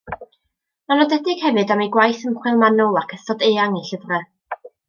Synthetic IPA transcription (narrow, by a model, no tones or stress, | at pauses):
nɔnɔdɛdɪɡ̥hɛvɨdamiɡwajθəmχwɪlˠmanɔlˠakʰəθɔdeaŋiɬəvrɛ